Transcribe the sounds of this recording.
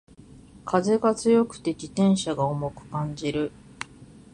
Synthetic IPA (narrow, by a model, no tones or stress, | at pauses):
kʰaze̞ɡat͡sɨjo̞kɯ̟̥t̪e̞d͡ʑʲit̪ẽ̞ɰ̃ɕaɡaomo̞kɯ̟̥kãɲ̟d͡ʑiɾɯ̟